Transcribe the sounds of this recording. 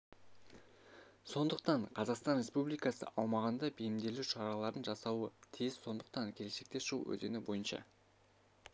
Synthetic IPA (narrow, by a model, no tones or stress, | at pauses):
so̞nd̪əq̚t̪ɑɴqʰɑzɑqst̪ɑnɾʲe̞spublijkɑsə̰ʔɑwmɑʁɑnd̪ɑbejɪmd̪e̞luʃɑɾɑlˠɑɾənʒɑsɑwət̪ʰezso̞nd̪əq̚t̪ɑŋkʲʰe̞le̞ʃe̞k̚t̪e̞ʃṵʔɵ̰ze̞̰nɪbo̞̰jənʃɑ̰